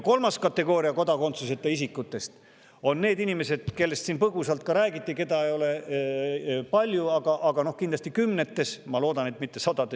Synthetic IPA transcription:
ko̞lmɑskɑt̪ːe̞ɡo̞ːɾiɑko̞d̪ɑko̞nt̪suset̪ːˑɑisikːˑut̪ːˑe̞st̪ | o̞nːe̞ːd̪inime̞se̞d̪̥ke̞lːe̞st̪siːnpɤɡ̥usɑlt̪̚kɑɾæːɡit̪ʲːˑike̞d̪ɑejo̞le̞ | pɑlʲjuɑɡ̥ɑʔɑɡɑno̞hkind̪lɑst̪ikymne̞t̪ːe̞smɑlo̞ːd̪ɑne̞t̪mit̪ːe̞sɑd̪ɑd̪e

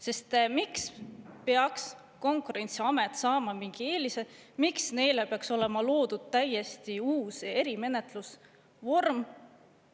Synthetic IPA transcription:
se̞st̪mikspeɑks | ko̞ŋkuɾe̞nʲt̪siɑme̞t̪ːˑsɑːmɑmiŋɡ̥ie̞ːlise̥miksne̞jle̞peɑkso̞le̞mɑlo̞ːd̪̥ud̪̥̚t̪æje̞st̪iuːse̞ɾime̞ne̞t̪ˑlus | vo̞rm

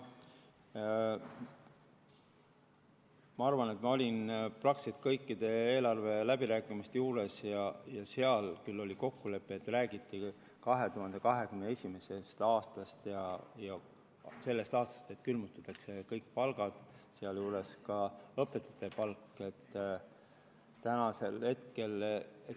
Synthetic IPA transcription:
mɑɑrvɑne̞t̪mɑo̞lʲinprɑksit̪kɤjkːid̪̥e̞eːlɑrve̞læbiɾæːkˑimist̪juːɾe̞sjɑjɑse̞ɑlkylːo̞lʲiko̞kːule̞pːˑeet̪ːræːɡ̥it̪ˑːi | kɑɦe̞t̪uɦɑnd̪ekɑɦe̞ɡ̥ymnee̞sʲime̞se̞st̪ɑːst̪ɑst̪jɑjɑ | se̞lːe̞st̪ɑːst̪ɑ̥st̪e̞t̪kylmut̪ːɑt̪ːˑɑkse̞kɤjkpɑlɡ̥ɑd̪̥seɑljuːɾe̞skɑɤpːˑe̞t̪ːˑɑ̥t̪ːe̞pɑlkːˑe̞t̪ː | t̪ænɑse̞lhe̞t̪ke̞le

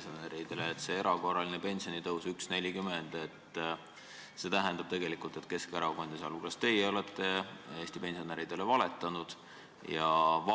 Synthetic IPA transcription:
soneɾid̪̥e̞leːt̪ːˑse̞e̞ɾɑko̞rːɑlinepe̞nʲsio̞nit̪ɤwsyksne̞lʲikymend̪̥e̞t̪ː | se̞t̪æɦend̪̥ɑb̥̚t̪e̞ɡe̞likult̪e̞t̪ke̞skeɾɑɡo̞nʲd̪isɑ̰luklɑst̪e̞jeo̞let̪ːˑe̞eːsʲt̪ipe̞nʲsio̞neɾid̪̥e̞le̞vɑle̞t̪ːˑɑnud̪̥ | jɑ

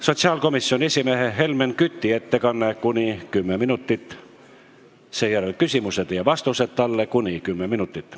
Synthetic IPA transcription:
so̞t̪siɑːlko̞misːionʲe̞sʲimeɦeɦe̞lmenkyt̪ʲːie̞t̪ːe̞kɑnːekunʲikymːeminut̪ːit̪ːˑ | se̞ːjæɾelkysimused̪̥jɑvɑst̪used̪̥̚t̪ɑlːekunʲikymːeminut̪ːˑit̪ːˑ

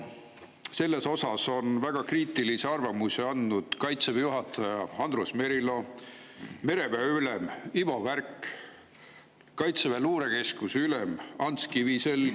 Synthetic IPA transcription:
se̞lːe̞so̞sɑso̞nvæɡ̥ɑkriːt̪ˑiliseɑrvɑmuseɑnːud̪̥kɑjt̪sevjuɦɑt̪ːˑɑjɑɑnd̪̥rusme̞ɾilo̞ | me̞ɾe̞bæylemivo̞værk | kɑjt̪sevæluːɾe̞ke̞skusylemɑnt̪skivise̞l

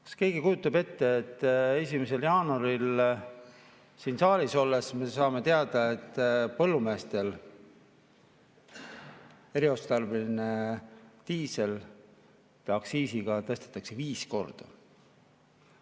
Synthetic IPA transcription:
kɑ̥ske̞ːɡ̥ikujut̪ːˑɑbe̞t̪ːe̞ːt̪ːe̞s̬ʲimese̞ljɑːnɑɾil | siːnsɑːliso̞lːe̞sme̞sɑːme̞t̪eɑd̪̥ɑe̞t̪ːpɤ̞lːume̞ːst̪e̞l | e̞ɾio̞st̪t̪ɑrbelinet̪iːse̞l | t̪eɑksiːsiɡ̥ɑt̪ɤ̞st̪e̥t̪ːˑɑkse̞viːsko̞̰rd̪̥ɑ

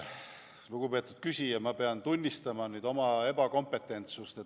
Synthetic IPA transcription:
luɡ̥upe̞ːt̪ːˑu̥d̪̥kysʲijɑmɑpeɑnt̪unʲːist̪ɑmɑnyːd̪̥o̞mɑe̞b̥ɑko̞mpe̞t̪ːˑe̞nt̪sust̪e

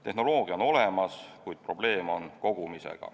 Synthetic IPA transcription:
t̪e̞hno̞lo̞ːɡ̥iɑono̞le̞mɑskujd̪̥̚pro̞b̥le̞ːmo̞nko̞ɡ̥umisḛɡ̥ɑ̰

